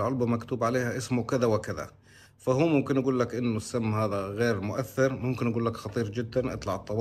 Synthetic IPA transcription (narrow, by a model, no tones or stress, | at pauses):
lʕʊlbamakt̪uːbʕaleːhaʔɪsmʊkɪðawɪkɪða̰ | fahuːmʊmkɪnʔaɡuːlːakʔɪnːʊsːamːhaːðaɣeːɾmʊʔaθːɪɾmʊmkɪnʔaɡuːlːakxɑt̪ˤiːɾd͡ʒɪd̪ːanʔɑ̰t̪ˤlɑʕɨt̪ˤːɑw